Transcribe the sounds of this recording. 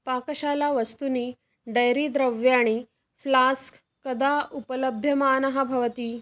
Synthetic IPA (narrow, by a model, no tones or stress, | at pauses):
pakəɕalaʋəst̪uniː | ɖəjɾiːd̪ɾəʋjaɽ̃i | flask | kəd̪aupələbʱjɐmaanɐɦabʱɐʋət̪iː